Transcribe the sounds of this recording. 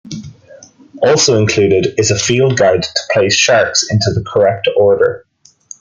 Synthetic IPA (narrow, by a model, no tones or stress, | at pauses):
ɔˑlˠsoʊɪ̃nkʰl̥ʉːɾɪdɪzəfiːlˠd̚ɡaɹdtʰə̥pʰl̥eɪsʃaɹksɪ̃ntuðəkʰə˞ɛk̚tʰɔɹɾə̰˞